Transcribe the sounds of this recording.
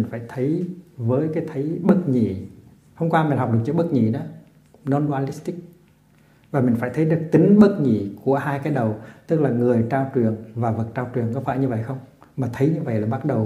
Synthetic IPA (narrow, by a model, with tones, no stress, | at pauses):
ŋ̟faː˧˩jt̪ʰə˨˦jvəː˨˦jkaː˨˦jt̪ʰə˨˦jɓə˦˥t̚ɲḭ˧˩˨ | hə˧wŋ͡mkwaː˧mï˨˩ŋ̟ɦa˨˩wk͡p̚ɨ˨˩k̚t͡ɕɨː˧˦ɓə˦˥t̚ɲḭ˧˨nɔ˨˦ | nɔ˧nɓaː˧li˦˥st̪i˦˥k̚ | vaː˨˩mï˨˩ŋ̟faː˧˩jt̪ʰə˨˦jɗɨ˨˩ək̚t̪i˨˦ŋ̟ɓə˦˥t̚ɲḭ˧˩˨ku˧˩əhaː˧jkaː˨˦jɗə˨˩wt̪ɨ˦˥k̚laː˨˩ŋɨ˨˩əjt͡ɕaː˧wt͡ɕɨ˨˩əŋvaː˨˩və˨˩t̚t͡ɕaː˧wt͡ɕwɨ˨˩əŋkɔ˨˦fa̰ː˧˩jɲɨ˧və̰˧˨jxə˧wŋ͡m | maː˨˩t̪ʰə˨˦jɲɨ˧və̰˧˨jlaː˨˩ɓa˦˥t̚ɗə˨˩w